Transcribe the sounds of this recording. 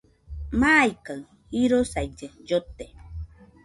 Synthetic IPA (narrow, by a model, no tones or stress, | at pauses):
majkaɰ | iɾosaid͡ʒəd͡ʒot̪ːe